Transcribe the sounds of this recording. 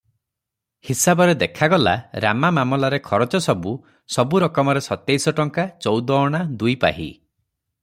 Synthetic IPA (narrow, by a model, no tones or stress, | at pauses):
hisabɔɾed̪ekʰaɡɔla̰ɾa̰mamamɔlaɾekʰɔɾɔt͡ʃɔsɔbu | sɔbuɾɔkɔmɔɾesɔt̪ejsɔʈɔŋkat͡ʃɔwd̪ɔːɽ̃ad̪ujpa̰ɦḭ